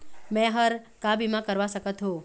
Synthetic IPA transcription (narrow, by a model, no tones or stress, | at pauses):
mɛ̃ɦəɾ | kabimãkəɾʋaʃəkət̪ɦõ